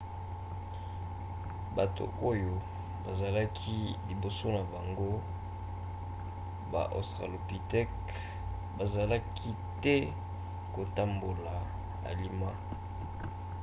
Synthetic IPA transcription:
ba˨to̰˨o˦jo˨ | ba˨za˨la˦kʰi˦li˨bo˨so˦na˨ba˨ŋɡo˦ | ba̰˨ʔo̰˨stʁa̰˨lo˨pi˨tɛ˦k | ba˨za˨la˦kʰi˦ | tɛ˦ | ko˨ta˦mbo˨la˨ | a̰˨li˦ma˦

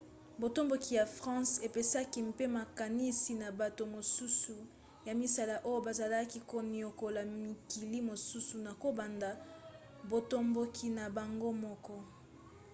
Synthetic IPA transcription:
bo˨to˦mbo˨ki˨ja˨fʁɑ̃˦se˨pe˨sa˦ki˦mpe˦ma˨ka˨ni˦si˨na˨ba˨to˨mo˨su˦su˨ | ja˨mi˦sa˦la˨ʔo˦jo˦ba˨za˨la˦ki˦ko˨ni˨o˨ko˨la˨mi˨ki˨li˦mo˨su˦su˨na˨ko˨ba˨nda˨ | bo˨to˦mbo˦kʰi˦na˨ba˨ŋɡo˦mɔ˦kɔ˦

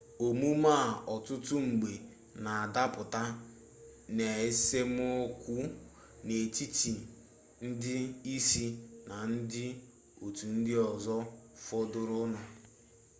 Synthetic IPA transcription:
o˨mu˦ma˦˨ɔ˨tʊ˦tʊ˦ŋ͡m̩˨ɡ͡be˨ | na˨a˨da˦pʊ˨ta˦ | ne˨e˦se˦m˦o˦kʷu˦ | ne˨t͡ʃi˦t͡ʃi˨ | n̩˦dɪ˦i˦si˦na˨n̩˦dɪ˦ | o˨tu˨n̩˦dɪ˦ɔ˨zɔ˦fɔ˦dʊ˦ɾʊ˦na˨

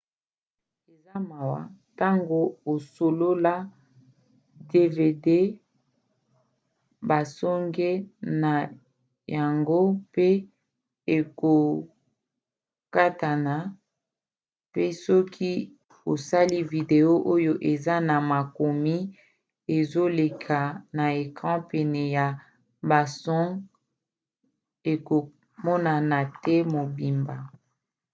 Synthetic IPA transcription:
e˨za˦ma˨wa̰˨ta˦ŋɡo˦o˨so˨lo˦la˦ | de˦ve˨de˦ | ba˨sɔ˦ŋɡe˦na˨ | ja˨ŋɡo˦pe˦ | e˨ko˨ | ka˦ta˨na˨ | pe˦sɔ˦kʰi˦ | o˨sa˦li˦vi˨de˨o˦ʔo˦jo˦ʔe˨za˦na˨ma˨ko˨mi˦ | e˨zo˦le˨kʰa˨na˨e˨kʁɑ̃˦pɛ˨nɛ˨ja˨ | ba˨sɔ˦ŋ | e˨ko˨ | mɔ˦na˨na˨tɛ˦mo˨bi˨mba˨

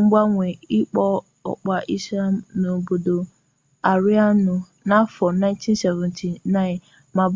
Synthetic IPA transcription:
ŋ̩˦ɡ͡ba˦ŋʷe˨i˦k͡pɔ˦ | ɔ̰˨k͡pa˨ʔi˦sla˦m̩˦no˨bo˨do˨ | a˨ɾi˦a˦nʊ˨ | na˦fɔ˨na˦ɪ̃˦ntʰĩ˦n̩˦sɛ˨vɛ̃˨ntʰi˨na˦ɪ̃˨n | ma˨b

